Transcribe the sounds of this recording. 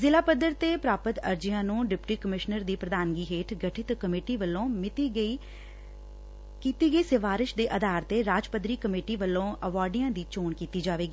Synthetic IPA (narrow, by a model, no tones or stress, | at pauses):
zɪlaːpəd̪əɾt̪eːpɾaːpət̪əɾd͡ʒɪjãːnũːɖɪpʈiːkəmɪʃnəɾd̪iːpɾəd̪aːnɡiːɦeːʈʰɡəʈʰɪt̪kəmeːʈiːʋəlːõːmɪt̪ii | kiːt̪iːɡəiːsəʋaːɾɪʃd̪eːʔəd̪aːɾt̪eːɾaːd͡ʒpəd̪ɾiːkəmeːʈiːʋəlːõːəʋaːɾɖɪjãːd̪iːt͡ʃoːɳkiːt̪iːd͡ʒaːʋeːɡiː